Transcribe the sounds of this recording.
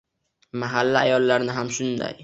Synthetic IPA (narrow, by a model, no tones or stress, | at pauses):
maɦalːaajɒlːaɾnɪɦamʃʊnd̪a̰j